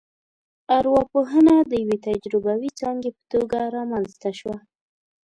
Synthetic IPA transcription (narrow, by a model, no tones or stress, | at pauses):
aɾwɑpoɦənad̪əjawet̪ad͡ʒɾɪbawit͡sɑŋɡepə̥t̪oɡaɾɑmanzt̪aʃwa